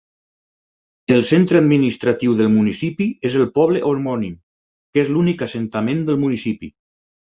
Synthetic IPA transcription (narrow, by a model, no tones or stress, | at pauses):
elˠsent̪ɾəad̪minist̪ɾat̪iwðəlˠmunisipiezəlˠpɔβ̞ləʔoɾmɔnim | kezlunikasent̪amend̪əlˠmunisipḭ